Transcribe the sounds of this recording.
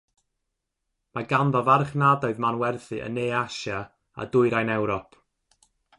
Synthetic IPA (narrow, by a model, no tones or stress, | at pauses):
maɡanðɔvarχnadɔɨðmanwɛrθɨʔə̰neːaʃa | a̰dʊɨɾajnɛwɾɔpʰ